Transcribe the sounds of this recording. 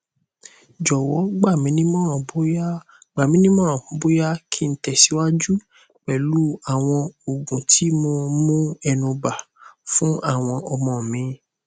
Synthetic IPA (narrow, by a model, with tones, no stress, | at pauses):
d͡ʒɔ˨wɔ˨˦ɡ͡ba˦˨mĩ˨˦nĩ˦mɔ̃˦ɾ̃ɔ̃˨bo˦ja˦ | ɡ͡ba˨mĩ˨˦nĩ˦mɔ̃˦ɾ̃ɔ̃˦˨˦bo˦ja˦kʰi˦˧n̩˨˦tɛ˨si˨˦wa˦d͡ʒu˦ | k͡pɛ˨lu˦a˦˨w̃ɔ̃˧o˨ɡũ˨tʰi˨˦mo˧mũ˦ɛ˧nũ˧ba˨ | fũ˦a˦˨w̃ɔ̃˧ʔɔ˧mɔ̃˨mĩ˨˧˦